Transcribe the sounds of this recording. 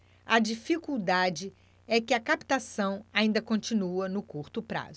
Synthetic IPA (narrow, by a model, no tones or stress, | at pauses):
ɐd͡ʒifikuwd̪ad͡ʒɪ | ɛkɪɐkapi̥t̪asɐ̃w̃aĩnd̪ɐkõnt͡ʃĩnuɐnʊkuɾt̪ʊpɾa̰z